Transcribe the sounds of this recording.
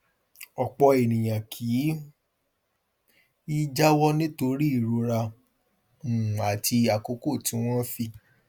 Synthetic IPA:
ɔ˨k͡pɔ˧e˨nĩ˨j̃ã˨kʰiː˨˦ | i˦d͡ʒa˦wɔ˦nĩ˦to˧ɾi˦i˦˨ɾo˧ɾa˧ | ũ˨a˨tʰi˧a˨ko˧˦ko˦˨ti˨˧˦w̃ɔ̃˦fi˦˨

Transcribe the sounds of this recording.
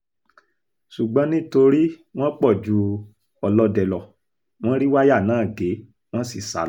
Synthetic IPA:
ʃu˨ɡ͡bɔ̃˨˦nĩ˦to˧ɾi˦w̃ɔ̃˦k͡pɔ˦˨d͡ʒu˨˦ | ɔ˧lɔ˧˦dɛ˨lɔ˨ | w̃ɔ̃˦ɾi˦wa˦ja˦˨nãː˨˦˨ɡe˨˦ | w̃ɔ̃˦si˦˨sa̰˨˦l

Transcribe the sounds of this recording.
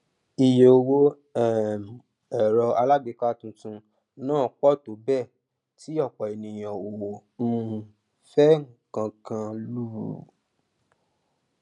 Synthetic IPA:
i˨je˨o˧wo˧ | ɛ˨m˨ | ɛ˨ɾɔ˧a˧la˦be˨˦ka˦tũ˧tũ˧ | nãː˦˨k͡pɔ˦˨to˨˦bɛ˦˨ | ti˨˦ɔ˦˨k͡pɔ˨e˨nĩ˨j̃ã˨wo˨wo˨m̩˦ | fɛ˦ŋ̩˨kã˧kã˧lu˦ɾṵ˨

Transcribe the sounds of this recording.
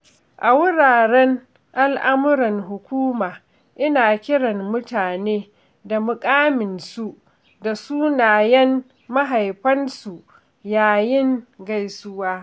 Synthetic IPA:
ʔa˨wʊ˦ɽaː˨ɽɛ˦n | ʔa˦lʔa˦mʊ˦ɾɐ˨ŋɦʊ˨kʷuː˦maː˨ | ʔɪ˦naː˨kʲɪ˦ɽɐ˨mːʊ˦taː˨neː˦ | da˨mʊ˨kʼaː˦mɪ˨nsu˦ | da˨suː˦naː˨jɛ˦n | ma˦ɦa˨jɸɐ˦nsu˨ʔ | jaː˨jɪ˦ŋɡa˦jsʊ˦waː˦

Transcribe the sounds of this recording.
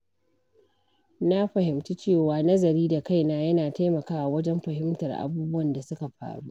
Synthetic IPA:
na˦ɸɐ˨ɦɪ˨mtu˦t͡ʃeː˦˨waː˨nɐ˦zɐ˨ɾiː˦da˨ka˦˨jna˦jɐ˦naː˨ta˦jmɐ˨kaː˦ʔa˨wɐ˦d͡ʒɛ˦mɸɐ˨hɪ˦mtɐ˨rʔa̰˨buː˦bʊ˦wɐ˨nda˨sʊ˦ka˨ɸa̰ː˨ɽu˦ʔ

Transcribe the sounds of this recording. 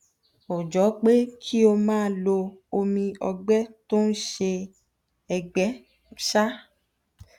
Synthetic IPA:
o˨d͡ʒɔ˨˦k͡pe˦kʰi˦o˧mãː˦˧˦lo˧o˧mĩ˧ɔ̰˧ɡ͡bɛ˦to˦n̩˦ʃe˧ | ɛ˨ɡ͡bɛ˨˦ | ʃa˦

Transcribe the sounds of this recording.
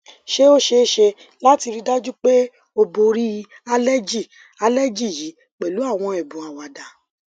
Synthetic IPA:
ʃe˦o˦ʃe˧˦ʃe˧ | la˦ti˧ɾi˧da˦d͡ʒu˦k͡pe˦ | o˧bo˧ɾi˦ | a˧lɛ˦d͡ʒi˦˨ | a˧lɛ˦d͡ʒi˦˨ji˨˦ | k͡pɛ˨lu˨˦a˦˨w̃ɔ̃˧ɛ˨bũ˨a˨wa˨da˨

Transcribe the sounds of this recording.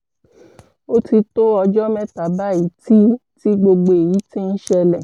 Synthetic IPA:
o˦ti˧to˦ɔ˧d͡ʒɔ˦mɛ̃˦ta˨ba˦i˨ti˦ti˦ɡ͡bo˧ɡ͡bo˧e˨ji˨˦tĩ˦n̩˦ʃɛ˧lɛ˨

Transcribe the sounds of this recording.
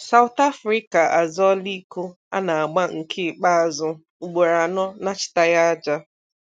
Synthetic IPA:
sa˨wʊ˨t̪a˦fɾi˦ka˨ʔa˨zɔ˦li˦ku˦ | a̰˦na˨a˨ɡ͡ba˦ŋ̩˨kʰɪ˦˨k͡pa˦a˨zʊ˦ | u˨ɡ͡bo˨ɾa˨nɔ˦na˦t͡ʃɪ̥˨ta˦ja˦a˦d͡ʒa˦

